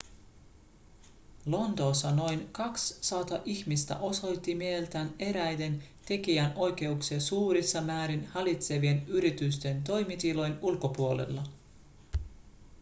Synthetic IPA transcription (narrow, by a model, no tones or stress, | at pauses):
lo̞nt̪o̞ːsːɑno̞jnkɑksːɑt̪ɑʔiçmist̪æ̰ʔo̞so̞jt̪ːimielt̪æːne̞ɾæjde̞nt̪e̞kiæno̞jke̞uksesuːɾisːɑmæːɾinhɑlit̪se̞ʋienyɾit̪yst̪e̞nt̪̬o̞jmit̪ilo̞jnulko̞puole̞̰lːɑ